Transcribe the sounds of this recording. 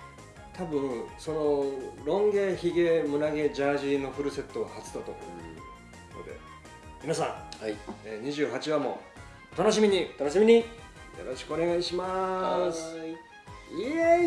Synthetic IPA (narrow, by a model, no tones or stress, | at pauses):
t̪ʰabɯ̟̃so̞no̞ɾõ̞ŋɡe̞çiɡe̞mɯ̟naɡe̞d͡ʑaːʑino̞ɸɯ̟ɾɯ̟se̞t̪ːoɡahat͡sɨ̥t̪at̪o̞̰ɯ | no̰d̪e̞̰ | mʲinasãŋ | eːɲ̟iʑɨːhat͡ɕiβamo̞̰ | t̪ano̞ɕ̬imʲiɲ̟it̪anoɕimʲiɲi | jo̞̰ɾo̞ɕi̥kɯone̞ɡaiɕimas | e